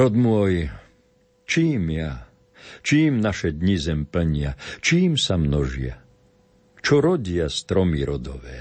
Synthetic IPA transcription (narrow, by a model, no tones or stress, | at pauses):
ɾɔd̪mʊɔj | t͡ʃiːmja | t͡ʃiːmnaʃɛd̪ɲizɛmpl̩ɲɪat͡ʃiːmsamnɔʒɪa̰ | t͡ʃɔɾɔɟɪast̪ɾɔmiɾɔd̪ɔ̰ʋɛː